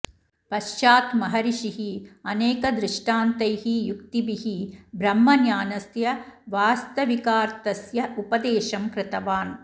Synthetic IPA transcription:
pɐʃt͡ʃaːt̪mɐɦɐɾiʃiɦiɐneːkɐd̪ɾɪʂʈaːnt̪ɐjɦijukt̪ibiɦibɾɐmːɐnjaːnɐsjɐʋaːst̪ɐʋikaːɾt̪ɐsjɐʔupɐd̪eːʃɐmkɾɪt̪ɐʋaːn

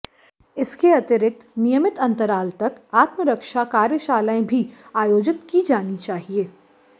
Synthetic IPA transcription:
ɪskeɐt̪ɪɾɪk̚t̪nɪjəmɪt̪ɐ̃nt̪əɾaːlt̪ɐkaːt̪məɾəkʃakaːɾjəʃaːlaẽbʱiaːjoːd͡ʒɪt̪kid͡ʒaːnit͡ʃaːɦieː

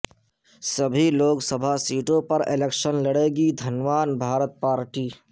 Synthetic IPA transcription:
səbʱiloːɡsəbʱasiːʈõpɐɾɪleːkʃənləɽeːɡid̪ʱɐnʋaːnbʱaːɾət̪̚paːɾʈiː

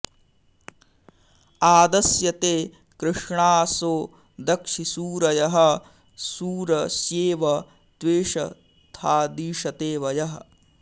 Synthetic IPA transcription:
aːd̪ɐsjɐt̪eː | kɾɨʂɳaːsoː | d̪ɐkʂisuːɾɐjɐɦɐ | suːɾɐsjeːʋɐ | d̪̥ʋeːʂɐ | t̪ʰaːd̪iːʂɐt̪eːʋɐjɐɦɐ

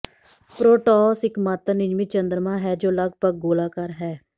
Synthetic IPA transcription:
pɾoːʈɔːsɪkmat̪ənɪd͡ʒmiːt͡ʃənd̪əɾmãːɦɛːd͡ʒoːləɡpəɡ̚ɡoːlaːkəɾɦɛː

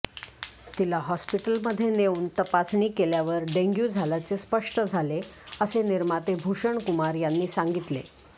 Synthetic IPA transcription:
t̪ilaɦɔspiʈəlməd̪ʱːjeneuːnt̪əpasɳiːkeljaʋəɾɖeŋɡjud͡zʱalat͡sespəʂʈəd͡zʱale | əseniɾmat̪ebʱuʂəɳkumaɾjanːiːsaŋɡit̪lḛ

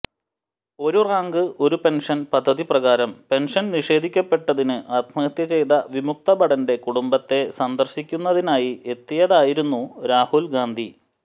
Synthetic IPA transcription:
o̞ɾuraːŋɡɨo̞ɾupe̞nʂɐnpɐd̪ʱːɐðiprɐɣaːɾɐmpe̞nʂɐnniʂe̞ːd̪ʱikʲːɐpːe̞ʈːɐðinɨʔaːt̪mɐɐt̪jɐt͡ɕe̞jd̪ɐʋimuk̚t̪ɐbɐɽɐnde̞kuɽumbɐt̪ːe̞sɐnd̪ɐrɕikʲːunːɐðinaːjie̞t̪ːijɐðaːjiɾunːuɾaːhulɡaːnd̪ʱi

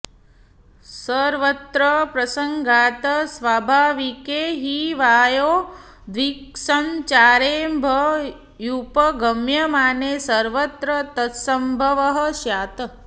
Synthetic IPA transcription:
səɾʋət̪ɾəpɾɐsəŋɡʱaːt̪ɐsʋaːbʱaːʋikeːɦiʋaːjoː | d̪ʋiksɐnt͡ʃaːɾeːmbʱə | jupɐɡɐmjɐmaːneːsɐɾʋət̪ɾɐt̪ɐsɐmbʱɐʋɐɦə̆ʃjaːt̪ɐ

